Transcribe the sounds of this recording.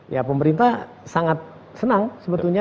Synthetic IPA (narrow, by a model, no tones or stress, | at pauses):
japəməɾint̪a | saŋat̪̚ | sənaŋsəbət̪ulɲa